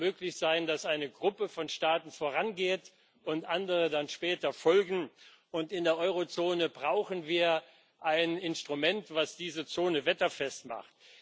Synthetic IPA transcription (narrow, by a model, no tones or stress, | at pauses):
møːklɪçz̥aɪndasʔaɪnəɡʁʊpəfɔnʃtaːtn̩foːʁanɡeːt | ʔʊntʔandəʁədanʃpɛːtɐfɔlɡŋ̩ | ʔʊntɪndeːɐʔɔʏʁot͡soːnəbʁaʊxn̩viːɐ | ʔaɪnɪnstʁ̥umɛntv̥asd̥iːzət͡soːnəvɛtɐfɛstma̰χt̚